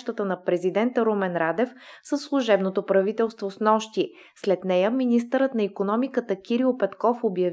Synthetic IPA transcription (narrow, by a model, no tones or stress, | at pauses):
ʃt̪ət̪ənɐpɾɛzid̪ɛnt̪əɾomɛnɾad̪ɛf | səsːlˠuʒɛbnot̪opɾɐvit̪ɛlˠst̪vosnɔʃt̪i | slɛt̪nɛjəminist̪əɾət̪nɐikonɔmikət̪əkʲiɾiʊpɛt̪kɔfobjɐv